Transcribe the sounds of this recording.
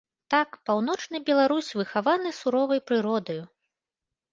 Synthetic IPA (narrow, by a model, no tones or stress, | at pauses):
t̪akpawn̪ɔt͡ʂnɨbʲɛlˠaɾusʲvɨxavanɨsuɾɔvɐjpɾɨɾɔd̪ɐju